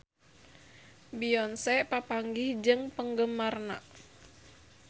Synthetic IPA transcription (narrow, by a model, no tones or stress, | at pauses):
biɔnsɛpapaŋɡihd͡ʒɨŋpəŋɡəmarna̰ʔ